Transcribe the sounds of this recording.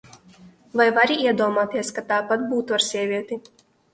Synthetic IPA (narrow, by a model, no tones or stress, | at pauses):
vajvaɾiiɛd̪uɔmaːt̪iɛskat̪aːpat̪̚buːt̪uaɾsʲiɛvʲiɛt̪ʲi